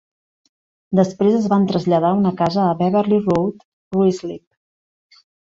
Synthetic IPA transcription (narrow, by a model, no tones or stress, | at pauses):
d̪əspɾezəzβant̪ɾəzʎəðaunəkazəːβɛβəɾlirowt̪ | ruizlip̚